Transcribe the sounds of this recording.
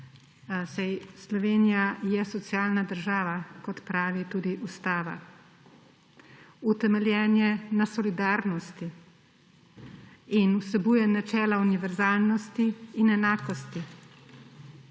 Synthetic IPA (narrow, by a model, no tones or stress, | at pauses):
sajslɔʋeːnijajɛsɔt̪sijaːlnad̪əɾʒaːʋakɔt̪pɾaːʋit̪uːd̪iʔust̪aːʋa̰ | ut̪ɛmɛljɛːnjɛnasɔlid̪aːɾnɔst̪i | inusɛbuːjɛnat͡ʃɛːlauniʋɛɾzaːlnɔst̪iːnɛnaːkɔst̪i